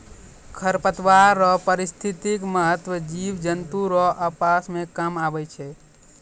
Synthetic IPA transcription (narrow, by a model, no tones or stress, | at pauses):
kʰəɾpət̪ʋaɾːɔpəɾɪst̪ʰit̪ikməɦət̪wəd͡ʒiʋd͡ʒənt̪uɾɔʔəpasmẽkamaʋət͡ʃʰɛ